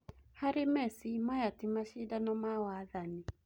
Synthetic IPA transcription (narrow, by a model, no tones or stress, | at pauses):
haɾemɛsimajatimaʃidanɔmawaðani